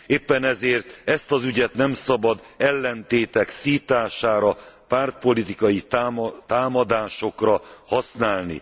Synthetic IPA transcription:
eːpːɛnɛzeːrt̪ɛst̪ɒzyɟɛt̪nɛmsɒbɒd̪ | ɛlːɛnt̪eːt̪ɛksiːt̪aːʃaːɾɒpaːrt̪̚po̞lit̪ikɒjit̪aːmɒd̪aːʃo̞krɒhɒsnaːlnḭ

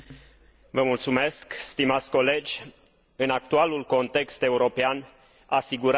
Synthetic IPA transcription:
vəmult̪sume̞skst̪imat̪sʲko̞le̞d͡ʒʲ | ɨnak̚t̪ualulko̞nt̪e̞kst̪e̞uɾo̞pean | asiɡuɾ

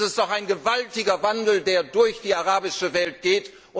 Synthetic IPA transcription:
ɪstd̥ɔχaɪnɡəvaltɪɡɐvandl̩deːɐdʊɐçd̥iːaʁaːbɪʃəvɛlt̚ɡ̥eːt | ʔʊ

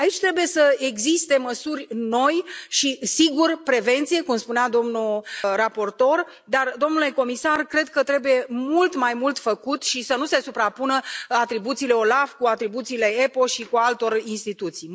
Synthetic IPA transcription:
ait͡ʃʲt̪ɾe̞buje̞səeɡzist̪e̞məsurʲno̞jʃisiɡurpɾe̞ve̞nt̪sije̞kumspunead̪o̞mnurapo̞rt̪o̞r | d̪ard̪o̞mnule̞ko̞misarkɾe̞d̪kət̪ɾe̞buje̞mult̪majmult̪fəkut̪ʃisənuse̞supɾapunəat̪ɾibut̪siːle̞o̞lafkuat̪ɾibut̪siːle̞epo̞ʃikualt̪o̞rinst̪it̪ut̪sij

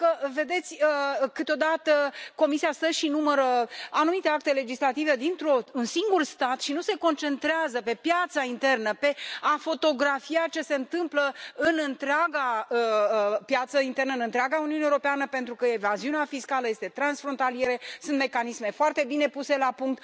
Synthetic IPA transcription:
kəve̞d̪e̞t̪sʲəkɨt̪eo̞d̪at̪əko̞misiast̪əʃinuməɾəanumit̪eak̚t̪e̞le̞d͡ʒislat̪ive̞d̪int̪ɾounsiŋɡurst̪at̪ʃinuseko̞nt͡ʃe̞nt̪ɾeazəpe̞pjat̪saint̪e̞rnəpe̞afo̞t̪o̞ɡɾafiat͡ʃe̞se̞ɨnt̪ɨmpləɨnɨnt̪ɾeaɡaəpjat̪səint̪e̞rnəɨnɨnt̪ɾeaɡauniuunewuɾo̞peanəpent̪ɾukəevaziuneafiskaləje̞st̪e̞t̪ɾansfɾo̞nt̪alije̞ɾe̞sunt̪me̞kanisme̞foart̪e̞bine̞puse̞lapuŋk̚t̪

